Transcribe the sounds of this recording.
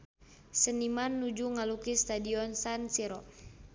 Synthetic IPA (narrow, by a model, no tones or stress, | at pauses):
sənimanːud͡ʒuŋalukist̪adiɔnsansiɾɔ